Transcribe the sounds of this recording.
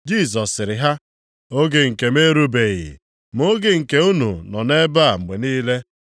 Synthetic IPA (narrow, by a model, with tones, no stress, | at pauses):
d͡ʒi˦˨s̬ɔ˨sːɪ˨ɾɪ˨ɦa˦ | o˦ɡe˨ŋ̩˨ke˨me˦ɾu˦be˨ɣɪ̰˨ | mʊ˦ɡɪ˨ŋ̩˨ke˦u˦nṵ˨nɔ˨ne˦ba˦˨ŋ͡m̩˨ɡ͡be˨niː˦le˦